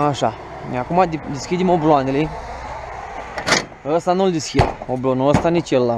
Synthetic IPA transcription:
aʂa | ɲãkumad̪id̪iskʰʲid̪ʲimobloãnili | əst̪anold̪iskʰʲimoblonoəst̪anit͡ʃəlːa

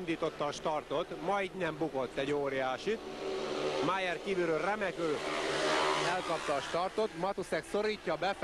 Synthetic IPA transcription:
nd̪iːt̪o̞t̪ːɒːʃt̪ɒrt̪o̞t̪mɒjd̪nɛmbukot̪ːɛɟoːɾjaːʃit̪ | majɛrkiːbyɾørɛmɛkøː | ɛlkɒpt̪ɒːʃt̪ɒrt̪o̞t̪mɒt̪usɛkso̞ɾiːcːɒbɛf

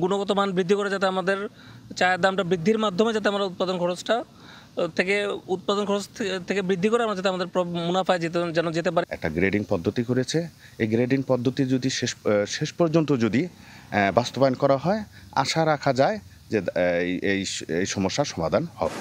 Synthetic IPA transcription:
ɡunoɡɔt̪omanbɾid̪ʱːikɔɾed͡ʑat̪̬eamad̪eɾ | t͡ɕaeɾd̪amʈabɾid̪ʱːiɾmad̪ʱːomed͡ʑat̪̬eamaɾaut̪̚pad̪onkʰɔɾosʈa | t̪ʰekeut̪̚pad̪onkʰɔɾost̪ʰt̪ʰekebɾid̪ʱːikɔɾeamɾad͡ʑat̪eamad̪eɾpɾɔmunafaed͡ʑet̪ed͡ʑɛnod͡ʑet̪ep̬aɾeɛ̰k̚ʈaɡɾeɖiŋpɔd̪ʱːot̪ikoɾet͡ɕʰe | ejɡɾeɖiŋpɔd̪ʱːot̪id͡ʑod̪iʃeʃʃeʃpɔɾd͡ʑont̪od͡ʑod̪i | bast̪obajonkɔɾaɦɔe | a̰ʃaɾakʰad͡ʑae | d͡ʑeejejʃɔmoʃːaʃɔmad̪ʱanhɔ̰

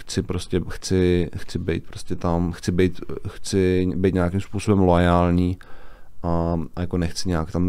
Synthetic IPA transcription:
xt͡sɪpɾoscʲɛxt͡sɪxt͡sɪbḛjt̪̚pɾoscʲɛt̪amxt͡sɪbɛjt̪xt͡sɪbɛjt̪ɲɛakimspuːso̞bɛmlojaːlɲiːʔaajako̞nɛxt͡sɪɲɛjakt̪am

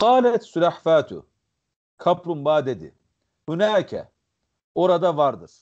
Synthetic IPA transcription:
qɑːlæt̪sulaħfaːt̪ʰṵ | kʰɑpɾumbaːd̪ed̪ḭ | hunaːkʰɛ̰ | oɾad̪ɑvɑɾd̪ɯɾ̥

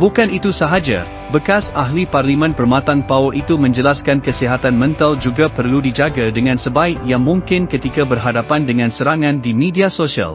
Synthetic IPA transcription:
bukanit̪usaɦad͡ʒa̰ | bəkasaɦliparlimɛ̃npərmãt̪aŋpaoʔit̪umə̃ɲd͡ʒəlaskankəsiɦat̪anmɛ̃nt̪ald͡ʒuɡapərludid͡ʒaɡadəŋãnsəbaɪkjaŋmũŋkɪnkət̪ikabərɦadapandəŋãnsəɾaŋãndimidiasoʃia̰l

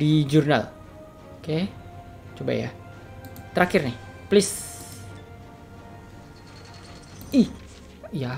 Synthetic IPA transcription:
did͡ʒurna̰l | oke | t͡ʃoba̰ja̰ | t̪əɾakɪrnɪhplɪs | i | ija

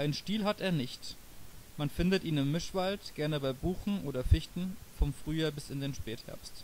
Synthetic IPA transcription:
ʔaɪnənʃtiːlɦateːɐnɪçt | manfɪndətʔiːnɪmːɪʃv̥altɡ̥ɛɐnəbaɪbuːxn̩ʔoːdɐfɪçtn̩fɔnfʁ̥yːjaːbɪsɪndeːnʃpɛːthɛ̰ɐpst

